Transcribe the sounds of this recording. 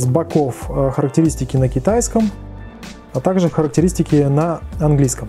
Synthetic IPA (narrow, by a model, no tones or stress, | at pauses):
zbɐkofəxəɾək̚tʲɪɾʲisʲtʲɪkʲɪnəkʲɪt̪ajskəm | ɐt̪aɡʐɨxəɾək̚tʲɪɾʲisʲtʲɪkʲɪnəɐnɡlʲijskəm